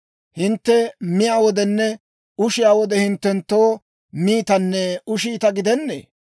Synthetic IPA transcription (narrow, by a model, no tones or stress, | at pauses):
hɪnt̪ːɛmɪjaːwɔd̪ɛnːɛ | ʊʃɪjaːwɔd̪ɛhɪnt̪ːɛnt̪ːo̞ː | miːt̪ɐnːɛʊʃiːt̪ɐɡɪd̪ɛnːḛː